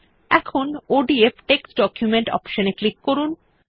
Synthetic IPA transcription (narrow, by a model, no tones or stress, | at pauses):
ɛkʰonoɖiepʰʈeksɖɔkjumeɳʈɔ̰pʃoneklikːoɾun